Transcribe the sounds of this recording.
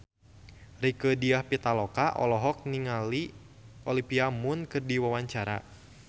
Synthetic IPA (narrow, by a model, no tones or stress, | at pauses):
rikədiahpit̪alɔkaʔɔ̰lɔɦɔk̚niŋali | ɔlipiamʊnkɨrdiwawaɲt͡ʃaɾa̰